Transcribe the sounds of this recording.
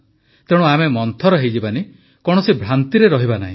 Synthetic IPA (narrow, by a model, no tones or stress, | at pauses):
t̪eɽ̃uamemɔnt̪ʰɔɾɔɦejd͡ʒibani | kɔɽ̃ɔsibʱɾant̪iɾeɾɔɦibanaɦĩ